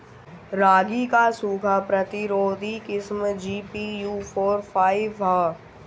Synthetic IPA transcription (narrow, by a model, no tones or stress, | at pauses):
ɾaːɡikasuːkʰapɾət̪ɪɾoːd̪ʱikɪsmd͡ʒiːpijuːfʰoːɾpʰaːɪʋɦaː